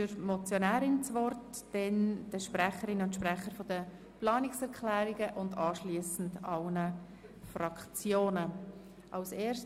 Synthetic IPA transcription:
ʏɾmɔt͡sjonæːɾɪnt͡sʋɔrtd̥ɛnd̥əʃpɾæχəɾɪnʊntʃpɾɛχəɾfodə | plɑːnɪksɛɾkʰlæːɾɪɡəʔʊndɑːʃliːəsn̩dɑlnə | fɾɑkt͡sjoːnə | ʔɑʊseːɾʃ

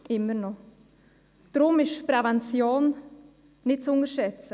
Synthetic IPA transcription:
ʔɪmːənɔ | d̥ɾʊmɪʃpɾɛvɛnt͡sjoːn | nɪt̚t͡sʊŋəɾʃɛt͡sə

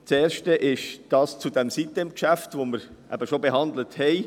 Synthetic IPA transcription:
t͡seːɾʃtəʔɪʃd̥ɑːst͡sudɛmsitəɪmkʃæftvoməɾ | ʔæ̰bəʃobeɦɑnd̪ləthɛɪ

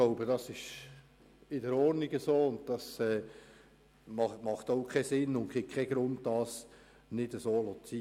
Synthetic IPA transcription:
ɡ̥loʊbəd̥ɑsɪʃ | ɪdəɾɔːɾniɡəsoːʊnt̚d̥ɑsɛː | mɑmɑχtoʊkʰɛsɪnːʊŋkɪk̚kʰɛɡ̥ɾʊnd̚dɑːs | nɪdəsoːlot͡si

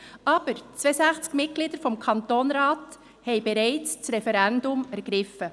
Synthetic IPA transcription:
ʔɑːb̥əɾt͡sv̥eːsɛçt͡skmɪt̚ɡ̥liːdəɾfɔmkʰɑnt̪oːnɾɑːt | hɛɪbɛɾaɪt͡st͡sɾɛfɛɾɛndʊmæɾɡ̥ɾɪfə

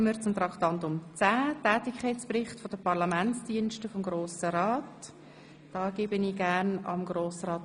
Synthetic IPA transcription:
məɾt͡sʊmt̪ɾɑkt̪ɑntʊmt͡sæːtɛːtɪkʰχaɪt͡sprɪχtfod̥əpɑɾlɑmænt͡sd̥iənʃtəfɔmɡɾoːsəɾɑːt | d̥ɑːɡ̥ɪːbəniɡ̥æɾnɑ̰mɡɾoːsɾɑːt

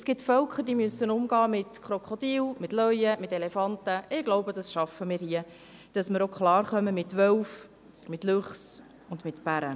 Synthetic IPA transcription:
sɡ̥ɪtfœlkʰəd̥imysːənʊmɡɑːmɪtkχɾɔkχod̥iːlmɪtlœjəmɪtelɛfɑntəʔɪɡ̥loʊbəd̥ɑsʃɑfəmɪːɾhiə | d̥ɑsmɪɾokχlɑːɾχœməmɪtʋœlf | mɪtløχs | ʊndmɪtb̥æɾə

